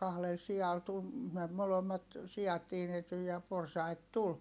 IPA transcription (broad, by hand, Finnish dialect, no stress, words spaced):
kɑhlel siɑl tul me molomːɑt siɑt tiːnety jɑ porsɑit tul